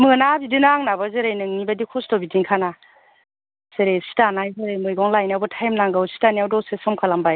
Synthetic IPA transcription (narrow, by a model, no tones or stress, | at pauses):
mɯnabidɯnaŋnabazɯɾajnɯŋnibadikʰɔstɔbidiŋkʰana | seɾesi̥tanajzɯɾajmɯjɡɔŋlajniawbɯtʰajmnaŋɡɯwsi̥taniawdɔsesɔmkʰalambaj